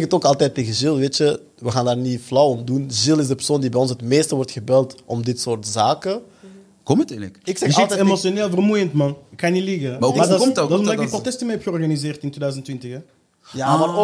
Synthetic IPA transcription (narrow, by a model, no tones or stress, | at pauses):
kətoːkɑlˠtɛːtːeːɣəzɪlˠʋeːtə | ʋəɣaːndaːrniflɔwɔmdunʒɪlˠɪzdəpər̥soːndibɛjɔnsətmeːstəʋɔrtxəbɛlˠtɔmdɪtsoːrtzaːkə | kɔmətɛləkɪksɛlˠtɛemosjoneːlˠvərmujəntmɑnəkxaniliɣəmmadmdɔsɔmdɪkdiprotɛstərmɛjɛpxəɔrɣanizɪːrtɪntwedœzəntːʋɪntɪxɛ | jamaro